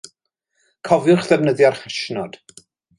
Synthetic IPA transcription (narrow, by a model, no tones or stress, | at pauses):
kʰɔvjʊχðɛvnəðjarχɛʃnɔd̥